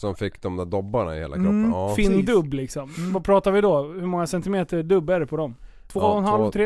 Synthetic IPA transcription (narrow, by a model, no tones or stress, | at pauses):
sɔmfɪkːd̪ɔmd̪æːd̪ɔbːaɳa̰ɪ̰hḛːlakkɾɔpːfiːnd̪ɵbːlɪksɔmvapʰɾɑːt̪aɾvɪd̪ɔhɵmɔŋːasɛnt̪ɪmeːt̪əɖɵbːɛɾɛpʰɔd̪ɔm | t̪ʰvoːɔnhalvɔɾeː